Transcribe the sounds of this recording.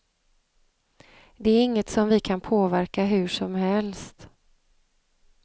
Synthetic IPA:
d̪ɛæɾɪŋːət̪sɔmvɪkʰanpʰoːvæɾkaɦɵ̟ʂɔmhɛlst̪

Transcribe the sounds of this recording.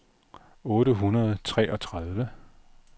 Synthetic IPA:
ɔ̽ːɾəɦunɐð̞̩ˠt͡sʰʁɛ̰ːʔɒ̽t͡sʰʁað̞ˠʋə

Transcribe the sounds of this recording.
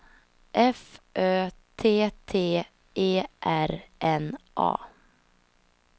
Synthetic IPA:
ʔɛfʔøːt̪ʰeːt̪ʰeː | ʔeːʔæɾʔɛnʔɑ̰ː

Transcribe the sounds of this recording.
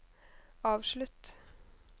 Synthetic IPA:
ɑːʋʃɭʉt̪

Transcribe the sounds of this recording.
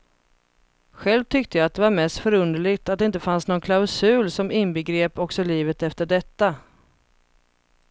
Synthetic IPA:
ɧɛlvt̪ʰʏkt̪əjaːt̪̚d̪ɛvaɾmɛst̪fœɾɵnd̪əɭɪɡt̪at̪d̪ɛɪnt̪əfansnɔnkʰlaʊsʉ̟ːlsɔmɪnbəɡɾeːpɔksɔliːvət̪ɛft̪əɖɛt̪ːa

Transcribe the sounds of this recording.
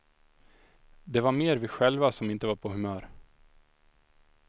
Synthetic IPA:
d̪ɛvaɾmeːɾvɪɧɛlvasɔmɪnt̪əvaɾpʰɔɦɵmœːɾ

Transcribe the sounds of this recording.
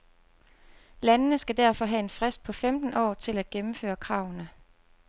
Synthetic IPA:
lænənəsɡ̥æd̥æɐ̰fɒ̽ɦæe̝nfʁɛsd̥̚pʰɒ̽femd̥n̩ɒ̰ːt͡sʰe̝læd̥̚ɡ̥emm̩fø̰ːɐkʰʁɑ̈ʊnə

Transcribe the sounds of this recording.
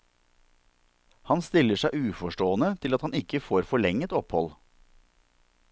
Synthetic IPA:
hɑnst̪ɪləʂæʉːfɔʃʈoːənət̪ʰɪlɑt̪hɑnɪkəfoːɾfɔɭɛŋət̪ɔphɔl

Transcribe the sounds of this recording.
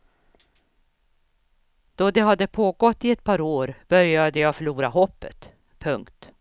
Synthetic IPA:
d̪̥ɔd̪ɛɦad̪ːəpʰoːɡɔt̪ːɪɛt̪̚pʰɑːɾoːɾb̥œɾjad̪əjɑːfœɭuːɾaɦɔpːə̰t̪ | pʰɵŋkt̪

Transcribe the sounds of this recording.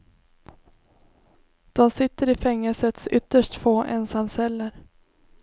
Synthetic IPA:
d̪̥ɔmsɪt̪ːəɾɪfɛŋːəlsət̪sʏt̪ːəʂʈfoːʔɛ̰nsamsɛlːəɾ

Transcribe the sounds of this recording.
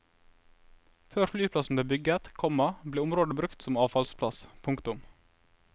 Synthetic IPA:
føːɾflyːpʰlɑsn̩b̪eːbʏɡət̪kʰɔmɑbleːʊmɾoːd̪əbɾʉkt̪sɔmɑːʋfɑlspʰlɑspʰʊŋkt̪ʊm

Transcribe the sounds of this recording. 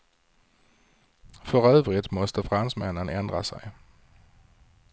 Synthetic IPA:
fœʁœːvʁɪt̪mɔst̪əfʁansmænənɛnd̪ʁasæ̰ɪ

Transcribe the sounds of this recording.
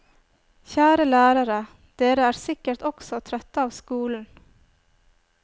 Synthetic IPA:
çæːɾəlæːɾɑɾə | d̪̥eːɾəæːɾsɪkəɾt̪ɔksɔt̪ʰɾœt̪əɑːʋskuːln̩

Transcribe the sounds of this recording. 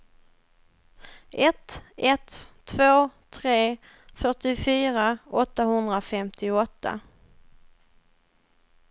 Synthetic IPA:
ʔɛt̪ɛt̪ʰː | voːt̪ʰɾeː | fœʈɪfyːɾaʔɔt̪ːaɦɵnd̪ɾafɛmt̪ʰɪɔt̪ʰːa̰

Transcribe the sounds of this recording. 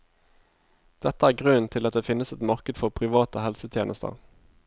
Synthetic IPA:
d̪̥ɛt̪əæːʁɡʁʉnt̪ʰɪlɑt̪̚d̪eːfɪnəsɛt̪mɑʁkəd̪fɔʁpʰʁɪʋɑːt̪əhɛlsət̪ʰjḛːnəst̪ə̰ʁ

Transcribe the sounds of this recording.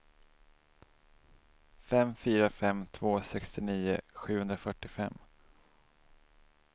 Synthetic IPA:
fɛmfyːɾafɛmt̪ʰv̥oːsɛkst̪ɪniːʊ̰ɧʉ̟hɵnd̪ɾafœʈːɪfɛ̰mː

